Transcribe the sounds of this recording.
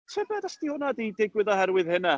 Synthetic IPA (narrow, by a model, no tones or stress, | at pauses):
tʰəbɛdasd̥ihʊnadejdɪɡwɨðɔhɛɾwɨðhɪna